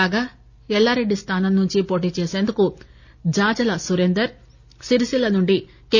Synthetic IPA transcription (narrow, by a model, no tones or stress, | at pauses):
aːɡaː | ɛlːaːɾe̞ɖːist̪ʰaːnɐmnuɲt͡ʃipo̞ːʈ̬iːt͡ʃeːse̞ːnd̪uku | d͡ʒaːd͡ʒɐlɐsuɾend̪ɐɾ | siɾsilɐnuɳɖi | ke